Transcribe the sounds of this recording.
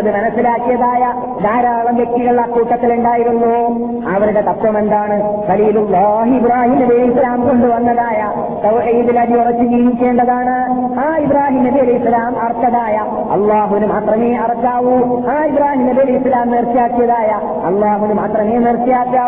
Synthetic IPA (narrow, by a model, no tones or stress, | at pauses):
ɐðɨmɐnɐsːilaːkːijɐðaːjɐ | d̪aːɾaːɭɐmʋe̞k̚ʈ̪iɣɐɭiɐkːuːʈːɐt̪ːiluɳɖaːjiɾunːu | ɐʋɐɾuɽe̞t̪ɐt̪ːwɐme̞nd̪aːɳɨkɐliːlulːaːɦibɾaːhiːmɐlijɐlɐsɐlaːmko̞ɳɖɨʋɐnːɐðaːjɐ | t̪ɐwʔiːðilɐðiurɐt͡ɕːɨd͡ʑiːnikʲːe̞ːɳɖɐðaːɳɨ | aːibraːɦiːmɐðiɐlɐjsɐlaːmɐrt̪ːɐðaːjɐ | ɐ̰lːaːɦuʋinɨmaːt̪rɐmeːɐrɐkːaːʋuaːibraːɦiːmɐliɐlɐjsɐlaːmniːrt̪ːijaːkːijɐðaːjɐ | ɐ̰lˠːaːɦuʋinumaːt̪rɐme̞ːnert̪ːijaːkːaː